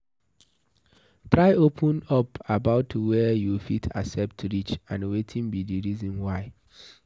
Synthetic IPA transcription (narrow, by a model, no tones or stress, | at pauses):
tɹaɪopʰə̃nɔpabaʊtːuwɛjufitʰa̰sɛp̚tɾit͡ʃãnwetʰĩnbidiɹizɔ̃nwaɪ